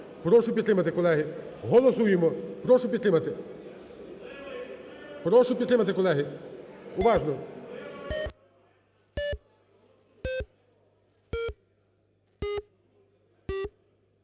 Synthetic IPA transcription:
pɾɔʃʊpʲid̪t̪ɾɪmɐt̪ɪkɔlˠɛɦɪɦɔlˠɔsujemɔpɾɔʃʊpʲid̪t̪ɾɪmɐt̪ɪ | pɾɔʃʊpʲid̪t̪ɾɪmɐt̪ɪkɔlˠɛɦɪ | ʊʋɑʒnɔ

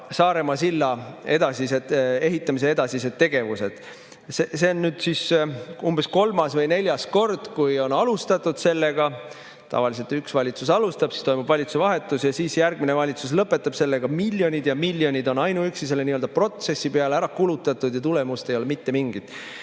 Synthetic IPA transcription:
sɑːɾe̞mɑsilːɑe̞d̪ɑsise̞d̪e̞ɦit̪ːˑɑmis̬e̞e̞d̪ɑsis̬e̞d̪̥̚t̪ːe̞ɡ̥e̞vuse̞d̪̥ | sese̞onːyːd̪̥sisumbe̞sko̞lmɑsvɤjne̞lʲjɑsko̞rd̪̥kujo̞nɑlust̪ɑt̪ːˑud̪̥se̞lːe̞ɡ̥ɑ | t̪ɑ̰vɑlise̞lt̪yksvɑlʲit̪susɑlust̪ɑb̥si̥st̪o̞jmub̥vɑlʲit̪su̥sevɑɦe̞t̪ːˑusjɑsiːsjærɡ̥̚minevɑlʲit̪sus̬lɤpːˑe̞t̪ːˑɑb̥se̞lːeɡ̥ɑmilʲjo̞nʲid̪̥jɑmilʲːjo̞nʲid̪o̞nɑjnuyksis̬e̞lːeniːøld̪̥ɑpro̞t̪se̞sːipeɑleæɾɑkulut̪ːˑɑt̪ːˑud̪̥jɑt̪ule̞must̪e̞jo̞lemit̪ːe̞miŋɡ̥id̪̥ˑ

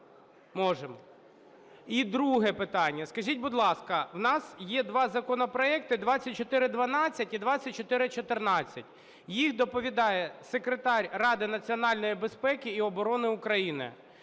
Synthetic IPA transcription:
mɔʒemɔ | id̪ɾuɦɛpɪt̪ɑnʲːɐskɐʒʲit̚ʲbʊd̪lˠɑskɐwnɑsjɛd̪ʋɑzɐkɔnɔpɾɔɛk̚t̪ɪd̪ʋɑt͡sʲːɐt̚ʲt͡ʃɔt̪ɪɾɪd̪ʋɐnɑt͡sʲːɐtʲid̪ʋɑt͡sʲːɐt̚ʲt͡ʃɔt̪ɪɾɪt͡ʃɔt̪ɪrnɑt͡sʲːɐtʲ | jixd̪ɔpɔʋʲid̪ɑjɛsekɾet̪ɑɾʲrɑd̪ɪnɐt͡sʲiɔnɑlʲnɔjibespɛkɪːɔbɔɾɔnɪʊkɾɐjinɪ̰

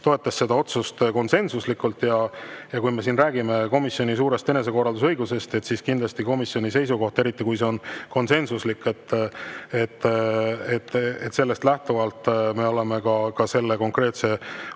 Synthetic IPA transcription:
t̪o̞e̞t̪ːˑɑsːe̞d̪̥ɑo̞t̪sust̪ko̞nse̞nsuslikːˑult̪jɑjɑkujme̞s̬iːnræːɡ̥ime̞ko̞misjo̞nʲis̬uːɾe̞st̪e̞ne̞s̬e̞ko̞rˑɑld̪us̬ɤjɡuse̞st̪e̞t̪siːskind̪lɑst̪iko̞misjo̞nʲise̞jsuko̞ht̪ɑe̞ɾit̪ːˑikujs̬e̞o̞nko̞nse̞nsuslikːe̞t̪ːet̪ː | et̪ːˑet̪se̞lːe̞st̪læht̪uvɑlt̪ˑːme̞o̞le̞me̞kɑkɑse̞lːe̞ko̞ŋkre̞ːt̪se̞

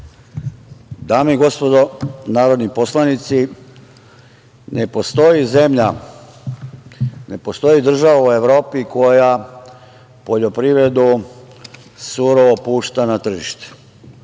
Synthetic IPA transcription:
d̪aːmiɡo̞spo̞d̪onaːɾo̞d̪nipo̞slˠanit̪si | nepo̞st̪o̞jize̞mʎa | ne̞post̪o̞jid̪r̩ʒaʋaue̞ʋɾo̞ːpiko̞ja | po̞ʎo̞pɾiʋɾe̞d̪u | suɾoopuːʃt̪anat̪r̩ʒiʃt̪e̥

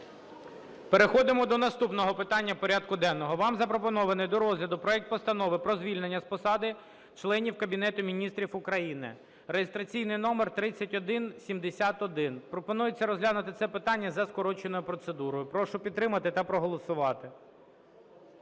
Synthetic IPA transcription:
peɾexɔd̪ɪmɔd̪ɔnɐst̪upnɔɦɔpɪt̪ɑnʲːɐpɔɾʲad̪̚kʊd̪ɛnːɔɦɔʋɑmzɐpɾɔpɔnɔʋɐnɪjd̪ɔɾɔzʲlʲɐd̪ʊpɾɔɛk̚t̪̚pɔst̪ɐnɔʋɪpɾɔzʲʋʲilʲnenʲːɐspɔsɑd̪ɪ | t͡ʃlˠɛnʲiwkɐbʲin̪ɛt̪ʊmʲinʲist̪ɾʲifʊkɾɐjinɪ̰ | rejest̪ɾɐt͡sʲijnɪjnɔmert̪ɾɪt͡sʲːɐtʲɔd̪ɪnsʲimd̪esʲat̪ɔd̪ɪnpɾɔpɔnujet͡sʲːɐɾɔzɦlʲanʊt̪ɪt̪sɛpɪt̪ɑnʲːɐzɐskɔɾɔt͡ʃenɔjʊpɾɔt̪sed̪uɾɔjʊpɾɔʃʊpʲid̪t̪ːɾɪmɐt̪ɪt̪ɐpɾɔɦɔlˠɔsʊʋɑt̪ɪ

